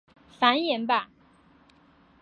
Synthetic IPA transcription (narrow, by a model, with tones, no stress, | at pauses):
fa˨˧˥njɛ˧˥nba˧